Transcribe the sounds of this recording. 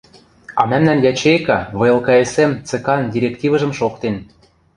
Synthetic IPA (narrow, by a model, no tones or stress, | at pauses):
ɑmæmnænjɑt͡ɕejkɑβɤ̆elˠkɑesemt͡sĕkɑndʲiɾʲektʲivɤ̆ʒɤ̆mʃokt̪en